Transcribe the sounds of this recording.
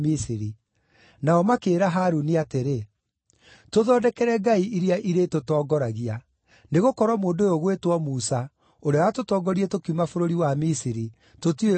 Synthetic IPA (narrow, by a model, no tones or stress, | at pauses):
misiɾi | naɔmakeːɾaɦaɾuniateɾe | toðɔdɛkɛɾɛɡaiiɾiaʔiɾetotɔːɡɔɾaɣia | neɣokɔɾwɔmoːndojoɣwetwɔmusa | oɾeawatotɔːɡɔɾietokumafoɾoɾiwamisiɾi | totie